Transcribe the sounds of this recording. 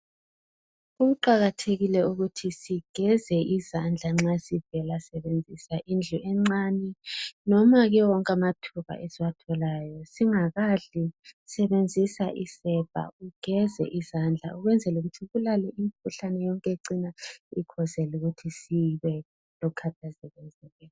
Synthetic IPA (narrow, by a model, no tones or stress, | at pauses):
uǃaɣatʰeɣilɛuɣutʰisiɡ̥ʱɛzɛʔizand͡ɮʱaŋ͡ǁasivɛlasɛβend͡zʱisaʔind͡ɮʱuʔɛŋ͡ǀanɛnɔmaɣɛwɔŋkʼamatʰuβa̰ʔɛsiwatʰɔlaːjɔsiŋaɣaɮisɛβend͡zʱisaʔisɛb̥ʱa̰uɡ̥ʱɛzɛ̰ʔizand͡ɮʱa̰uɣwɛnd͡zʱɛluɣutʰiɣulalɛʔimikʰuɬanɛjɔŋkʼeǀinaikʰɔzɛluɣutʰisiβɛ | lɔkʰatʰazɛβɛnd͡zʱɛlɛː